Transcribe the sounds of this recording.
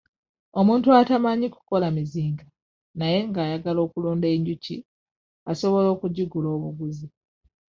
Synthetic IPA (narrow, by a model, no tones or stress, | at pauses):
o̞muːntuatamaɲiku̥ko̞lamiziːŋɡa | naje̞ŋɡaːjaɡalo̞ːkuloːnde̞ːɲɟucḭ | aso̞βo̞lo̞ːkuɟiɡulo̞ːβuɡuzi